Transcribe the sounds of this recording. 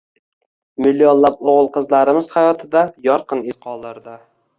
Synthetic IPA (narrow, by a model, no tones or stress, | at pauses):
mɪlːijonlˠap̚oʁəlˠqɨzlaɾɪmɪz̥hajɒt̪ʰɪd̪ajɒɾqɨnɪzqʰɒlˠd̪ɪɾd̪ɪ